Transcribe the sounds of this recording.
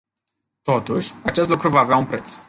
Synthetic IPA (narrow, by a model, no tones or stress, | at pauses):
t̪o̞t̪uʃʲat͡ʃe̞st̪lukɾuvaːveaunpɾe̞t̪s